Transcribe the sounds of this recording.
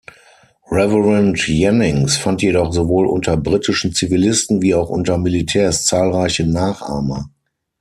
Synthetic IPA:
ʁɛvəʁɛntjɛnɪŋsfantjedɔχzovoːlʔʊ̰ntɐbʁitɪʃn̩t͡sivilɪstn̩viːaʊxʔʊ̰ntɐmilitʰɛːɐst͡saːlʁaɪçənaːχʔa̰ːɐmə̰

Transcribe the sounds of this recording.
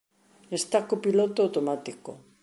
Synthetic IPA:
est̪akopilot̪oawt̪omat̪iko̰

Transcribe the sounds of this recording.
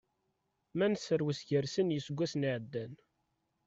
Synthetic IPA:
mænsəɾwəsʝəɾsənjəsɡʷːæsniʕəd̪ːæn

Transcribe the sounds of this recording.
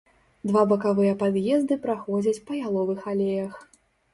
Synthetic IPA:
d̪vabɐkavɨjɐpad̪jɛzd̪ɨpɾaxɔd͡zʲɐt͡sʲpɐjalˠɔvɨxalʲejɐx

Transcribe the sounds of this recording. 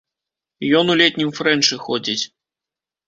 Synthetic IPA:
jɔnulʲet̪ʲnʲimfrɛnʂɨxɔdʲit͡sʲ

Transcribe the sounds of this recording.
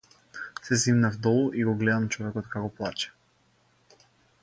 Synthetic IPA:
sɛzimnavd̪ɔlˠuʔiɡɔɡlɛd̪amt͡ʃɔvɛkɔt̪kakɔplˠat͡ʃɛ̥

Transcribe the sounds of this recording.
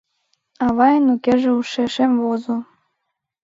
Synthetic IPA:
ɑβɑjɤ̆nukʲeʒĕuʃĕʃemvozɤ̆

